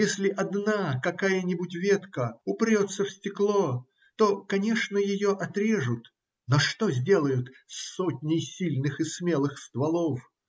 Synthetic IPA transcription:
jesʲlʲɪʔɐd̪nakɐkajənʲɪbʊtʲvʲe̞t̪kəʊpɾʲo̞t̪səfsʲtʲɪklˠo | t̪o̞kɐnʲe̞ʂnəjɪjoʔɐt̪ɾʲe̞ʐʊt̪ | noʂt̪o̞zʲdʲe̞lˠəjʊt̪sotʲnʲɪjsʲilʲnɨxɨsmʲe̞lˠɨxst̪vɐlˠof

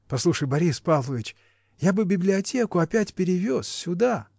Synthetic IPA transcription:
pɐslˠuʂəjbɐɾʲispavlˠəvʲɪt͡ɕ | jabɨbʲɪblʲɪɐtʲe̞kʊɐpʲætʲpʲɪɾʲɪvʲossʲʊd̪a

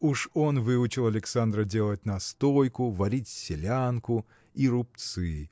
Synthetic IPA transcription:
uʂonvɨʊt͡ɕɪlˠɐlʲɪksand̪ɾədʲelˠət̚ʲnɐst̪ojkʊvɐɾʲitʲsʲɪlʲankʊ | iɾʊp̚t̪sɨ

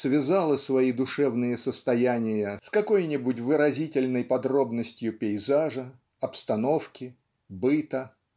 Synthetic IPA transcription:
svʲɪzalˠəsvɐid̪ʊʂɛvnɨjəsəst̪ɐjænʲɪjəskɐko̞jnʲɪbʊtʲvɨɾɐzʲitʲɪlʲnəjpɐd̪ɾo̞bnəsʲtʲjʊpʲɪɪzaʐə | ɐpst̪ɐno̞fkʲɪ | bɨt̪ə

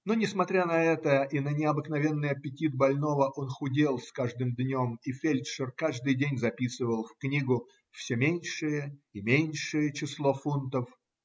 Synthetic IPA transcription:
nonʲɪsmɐt̪ɾʲanɐɛt̪əʔinənʲɪɐbɨknɐvʲenːɨjɐpʲɪtʲit̪̚bɐlʲno̞vəʔo̞nxʊdʲelˠskaʐd̪ɨmd̪nʲomifʲelʲt̪ʂərkaʐd̪ɨjdʲenʲzɐpʲisɨvəlˠfknʲiɡʊ | fsʲɵmʲenʲʂɨjəɪmʲenʲʂɨjət͡ɕɪslˠo̞funt̪əf

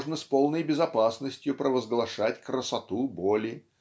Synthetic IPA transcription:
ʐnəsʲpolˠnəjbʲɪzɐpasnəsʲtʲjʊpɾəvəzɡlˠɐʂatʲkɾəsɐt̪ubolʲɪ

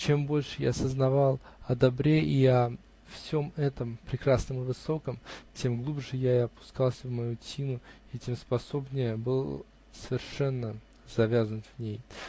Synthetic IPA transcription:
t͡ɕe̞mbo̞lʲʂɨja̰ːsəznɐvɑlˠɐd̪ɐbɾʲe̞ʔiɐ | fsʲo̞mɛt̪əmpɾʲɪkɾasnəmɨvɨso̞kəmtʲe̞mɡlˠubʐɨjaɪɐpʊ̥skɑlˠsʲəvmɐjutʲinʊ | itʲe̞mspɐso̞bnʲɪjəbɨlˠ | səvʲɪrʂɛnːə | z̥ɐvʲazənʊtʲvnʲej

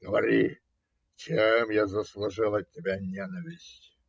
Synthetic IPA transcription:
ɡəʋɐɾʲi | t͡ʃemjazəslˠʊʐɨlˠətʲːɪbʲanʲenəvʲɪsʲtʲ

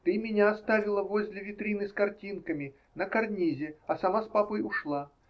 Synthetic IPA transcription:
t̪ɨmʲɪnʲaːst̪avʲɪlˠəvozʲlʲɪvʲɪt̪ɾʲinɨskɐrtʲinkəmʲɪ | nəkɐrnʲizʲɪɐsɐmaspapəjʊʂlˠa

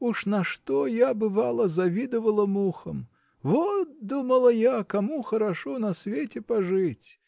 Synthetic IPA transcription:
uʂnɐʂt̪ɔjabɨvalˠɐzavʲid̪ɨvəlˠɐmuxəm | vɔt̪̚d̪uməlˠɐjakamuxɐɾaʂɔnɐsʲvʲetʲɪpaʐɨt͡sʲ

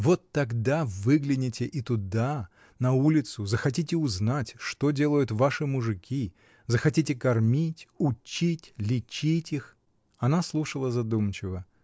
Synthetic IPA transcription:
vo̞t̪ːɐɡd̪avɨɡlʲɪnʲɪtʲɪʔɪt̪ʊd̪a | nɐulʲɪt̪sʊzəxɐt̬ʲitʲɪʊznatʲʂt̪odʲelˠəjʊt̪vaʂɨmʊʐɨkʲi | zəxɐtʲitʲɪkɐrmʲitʲʊt͡ɕːitʲlʲɪt͡ɕitʲix | ɐnaslˠuʂəlˠəzɐd̪umt͡ɕɪvə

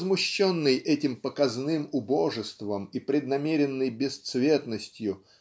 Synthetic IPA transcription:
zmʊɕːonːɨjʔɛtʲɪmpəkɐznɨmʊbo̞ʐɨst̪vəmipɾʲɪd̪nɐmʲeɾʲɪnːɨjbʲɪst̪svʲet̪nəsʲtʲjʊ

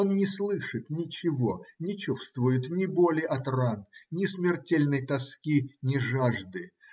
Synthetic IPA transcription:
onnʲɪslˠɨʂɨt̪nʲɪt͡ɕɪvo̞nʲɪt͡ɕufst̪vʊjʊt̪nʲɪbolʲɪjʔɐt̪rannʲɪsmʲɪrtʲelʲnəjt̪ɐskʲinʲɪʐaʐd̪ɨ

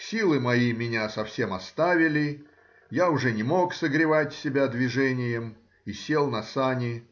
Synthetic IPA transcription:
sʲilˠɨmɐjimʲɪnʲasɐfsʲe̞mɐst̪avʲɪlʲɪ | jaʊʐɛnʲɪmo̞ksəɡɾʲɪvatʲsʲɪbʲad̪vʲɪʐɛnʲɪjəm | isʲe̞lˠnɐsanʲɪ

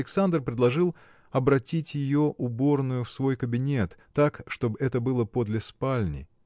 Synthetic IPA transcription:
ɪksand̪rpɾʲɪdlˠɐʐɨlˠ | ɐbɾɐtʲitʲjɪjo̞ʔʊbo̞rnʊjʊfsvo̞jkəbʲɪnʲe̞t̪ːakʂt̪o̞bɨɛt̪əbɨlˠəpo̞d̪lʲɪspalʲnʲɪ̰

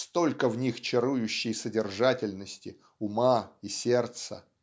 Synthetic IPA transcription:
st̪o̞lʲkəvnʲixt͡ɕɪɾujʉɕːɪjsədʲɪrʐatʲɪlʲnəsʲtʲɪ | ʊmaisʲe̞rt̪sə̰

